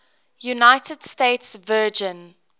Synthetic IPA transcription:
junaɪtəd̥steɪtsvɜːd͡ʒə̃n

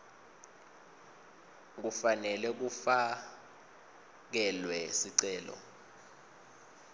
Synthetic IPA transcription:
k̬ufanɛlɛk̬ufa | k̬ɛlwɛsiǀɛːlɔ̰

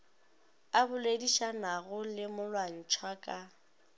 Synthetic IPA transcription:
abʊlediʃanaɣʊlɪmʊlwan̩t͡ʃʰwakʼa

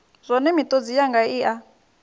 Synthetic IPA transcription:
zɔnɛmit̪ʼod͡zijaŋɡaiʔa

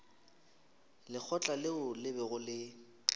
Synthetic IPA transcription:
lɪk͡xʰɔt͡ɬʼalɪʊlɪbɛɣʊlɪ

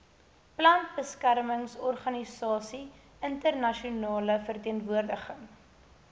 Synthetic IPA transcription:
plɐnt̚bəskærməŋsɔrχɐnisɑːsi | əntərnɐʃiunɑːləfərtiənvuərdəχəŋ

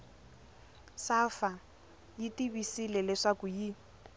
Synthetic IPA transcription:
safa | jitibisilɛlɛʂakʊji

